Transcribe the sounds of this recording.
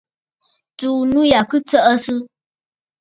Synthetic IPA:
tuː˨nũ˦ja˨kɨ˦t͡sə˦ʔə˦sɨ˦

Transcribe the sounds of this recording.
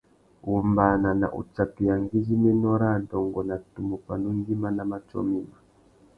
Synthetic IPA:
u˨mba˨na˨na̰˨ʔṵ˨t͡ʃa˨ti˨ja˨ŋɡi˦zi˦mɛ˦nɔ˦ɾa˦˨dɔ˨ŋɡɔ˨na˨tu˨mu˨pa˨nu˦ŋ˦ɡi˦ma˦na˨ma˦t͡ʃɔ̰˦mi˦ma˨

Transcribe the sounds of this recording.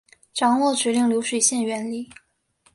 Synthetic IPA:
ʈ͡ʂɑ˨˥ŋwɔ˥˩t͡ɕɥɛ˧˥li˥˩ŋljo˧˥ʊʂwe˨˩ɕjɛ˥˩nɥɛ˧˥nli˥˩

